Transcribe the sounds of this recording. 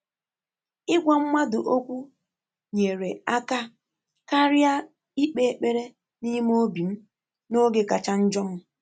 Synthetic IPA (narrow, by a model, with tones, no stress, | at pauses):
ɪ˦ɡʷa˨m̩˦mʷa˦dʊ˨ʔo˦kʷu˦ | ɲe˨ɾe˨a˦ka˦ | ka˦ɾja˦ | i˦k͡pe˦k͡pe˦ɾe˦ | ni˦m˦o˦bi˨m̩˦ | no˦ɡe˨ka˨t͡ʃa˦n̩˦d͡ʒɔ˦m̩˦